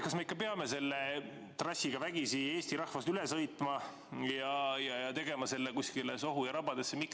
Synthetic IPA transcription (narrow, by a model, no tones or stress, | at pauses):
kɑsmeikːˑɑpeɑmese̞lːe | t̪rɑsʲːiɡ̥ɑvæɡ̥isie̞ːsʲt̪iɾɑhvɑst̪yle̞sɤjt̪ˑmɑ | jɑjɑjɑt̪e̞ɡe̞mɑse̞lːekuskileso̞ɦujɑɾɑbɑd̪esːemik